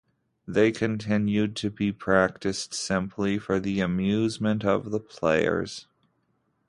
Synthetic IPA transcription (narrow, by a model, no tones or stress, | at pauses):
ðeɪkʰɨ̃ntʰɪ̃njʉd̚tʰɨbipʰɹ̥æk̚tɨstsɪ̃mpʰlifə˞ðiɨmjʉzmɨ̃ntʌ̰vðəpʰl̥eɪə̰˞z̥